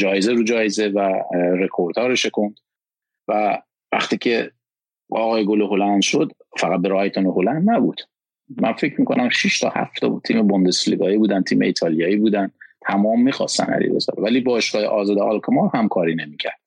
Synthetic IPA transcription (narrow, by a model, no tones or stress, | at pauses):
d͡ʒɒːjezeɾuːd͡ʒɒːjezevæɾe̞kʰoɾd̪ʰɒːɾeʃekʰond̪̥ | væ | væ̰χt̪ʰiːcʰe̞ | ɒːɣɒːjeɡoleɦolænd̪ʃod̪ | fæɣæt̪̚beɾːjt̪ʰoneɦolænd̪næbuːd̪̥ | mænfecʰɾmiːkʰonæmʃiʃt̪ʰɒ̰ːhæ̰ft̪ʰɒt̪ʰiːmebond̪e̞sliɡɒːiːbuːd̪ænt̪ʰiːmḛiːt̪ʰɒːlijɒːiːbuːd̪ænt̪ʰæmɒːmːiːxɒ̰st̪æ̰næ̰lḭbḛzɒ̰ːbvæliːbɒːʃɡɒːjḛʔɒːzɒːd̪eʔɒlkʰmɑɾhæmkʰɒːɾiːne̞miːcʰæ̰ɾd̥̪